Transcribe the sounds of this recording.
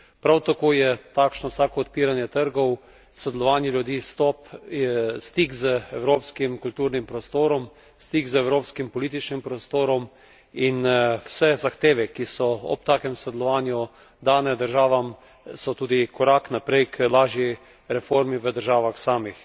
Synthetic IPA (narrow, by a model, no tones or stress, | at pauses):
pɾawt̪akoːjɛt̪aːkʃnɔwsaːkɔːt̪̚piːɾanjɛt̪əɾɡɔw | sɔd̪ɛlɔʋaːnjɛljud̪iːst̪ɔp | st̪iːkzəɛwɾoːpskimkʊlt̪uːɾnimpɾɔst̪oːɾɔm | st̪ikzɛwɾoːpskimpɔliːt̪̬it͡ʃnimpɾɔst̪oːɾɔm | inwsɛzaxt̪eːʋɛkisɔɔ̰p̚t̪aːkɛmsɔd̪ɛlɔʋaːnju | d̪aːnɛd̪əɾʒaːʋam | sɔt̪uːd̪ikɔɾaknapɾɛjkʰəlaːʒji | ɾɛfoɾmiʋəd̪əɾʒaːʋaxsaːmix